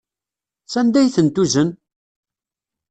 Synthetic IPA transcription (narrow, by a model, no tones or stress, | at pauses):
sænd̪æjθənt̪uzən